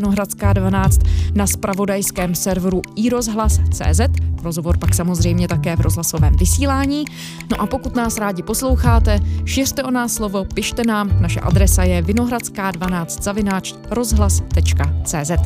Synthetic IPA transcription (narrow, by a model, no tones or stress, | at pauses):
noɦɾat͡skaːdvanaːt͡st̪naspɾavo̞dajskɛːmsɛɾvɾuiːɾo̞zɦlast͡sɛ̰ːzɛt̪ɾo̞zɦo̞vo̞ɾpaksamo̞zr̝ɛjmɲɛt̪akɛːvɾo̞zɦlaso̞vɛ̰ːmvɪsiːlaːɲiː | no̞ʔapo̞kut̪naːsɾaːɟɪpo̞slo̞wxaːt̪ɛʃɪr̥t̪ɛʔo̞naːslo̞vo̞pɪʃt̪ɛnaːmnaʃɛ̰ʔa̰dɾɛsajɛvɪno̞ɦɾat͡skaːdvanaːt͡st̪z̥avɪnaːt͡ʃ | ɾo̞zɦlast̪ɛt͡ʃkat͡sɛːzɛt̪